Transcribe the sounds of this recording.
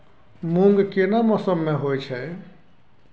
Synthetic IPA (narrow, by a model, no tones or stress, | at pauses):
muŋɡkenamɔsəmːeɦojt͡ʃʰɛ